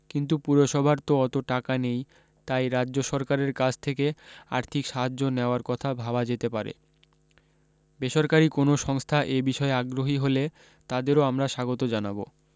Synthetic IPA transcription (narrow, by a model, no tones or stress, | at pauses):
kint̪upuɾoʃɔbʱaɾt̪oɔt̪oʈakanej | t̪ajɾaːoʃɔɾkaɾeɾkad͡ʑʰt̪ʰekea̰ɾt̪ʰikʃaɦad͡ʑːoneoaɾkɔt̪ʰabʱabad͡ʑet̪epaɾḛ | beʃoɾkaɾikonoʃɔŋst̪ʰaʔebiʃɔeaɡɾoɦiɦole | t̪ad̪eɾoamɾaʃaɡot̪od͡ʑanabo̰